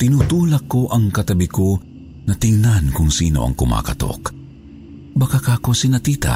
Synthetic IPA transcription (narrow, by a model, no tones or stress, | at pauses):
t̪ɪnut̪uːlɐkːoʔɐŋkɐt̪ɐbɪko | nɐt̪ɪŋnankʊŋsḭːno̰ʔɐ̰ŋkʊma̰kɐt̪o̰k | bɐkakakosɪnɐt̪iːt̪a̰